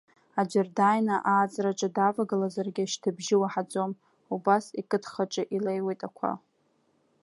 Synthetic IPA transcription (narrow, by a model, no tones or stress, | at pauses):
ad͡ʒardajnaʔaːt͡sʼraʈ͡ʂʼadavaɡalazarɡʲɪʃtʰɨbʒɪwaħad͡zʼo̞m | ubasikʼɨtʰχaʈ͡ʂʼɨʔilejwejtʼakʷʰa̰